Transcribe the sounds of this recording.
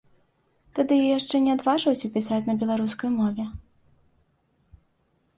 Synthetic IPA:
t̪ad̪ɨjɔjaʂt͡ʂɛnʲɛad̪vaʐɨwsʲɐpʲisat͡sʲnɐbʲɛlˠaɾuskɐjmɔvʲɛ

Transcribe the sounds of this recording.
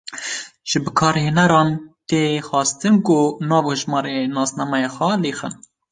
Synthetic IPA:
ʒ̥ɨbɨkʰɑːɾheːnɛɾɑːnt̪eːxɑːst̪ɨnkʊnɑːvhɨʒmɑːɾenɑːsnɑmɛjexʷɛleːxɨ̰n

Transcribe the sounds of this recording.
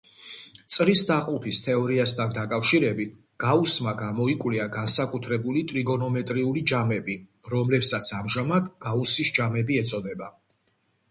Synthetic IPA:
t̪sʼɾisd̪aqʼupʰist̪ʰɛɔɾiast̪ʰand̪akʼafʃiɾɛbit̪ʰ | ɡ̥ausmaɡamɔikʼwliaɡansakʼut̪ʰɾɛbulit̪ʼɾiɡɔnɔmɛt̪ʼɾiulid͡ʒamɛbi | ɾɔmlɛpsat̪sʰamʒamad̪ɡ̥ausisd͡ʒamɛbiɛt̪sʼɔd̪ɛba

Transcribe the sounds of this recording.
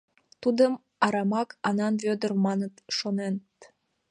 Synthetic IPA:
t̪ud̪əm | ɑɾɑmɑkʰɑnɑnβød̪ərmɑnət̪ʃonent̪

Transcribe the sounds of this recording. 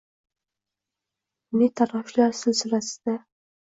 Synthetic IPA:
nɪt̪ʰaɾaflaɾsɪlsɪlasɪ̥d̪̥a

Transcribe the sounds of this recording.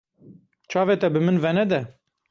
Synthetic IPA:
t͡ʃʰɑːvet̪ɛbɨmɨnvɛnɛd̪ɛ

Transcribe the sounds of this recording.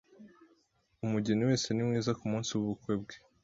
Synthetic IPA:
umuɟeniwe̞ːse̞nimŋiːzakumuːnsiwuβukwe̞b̚ɡe

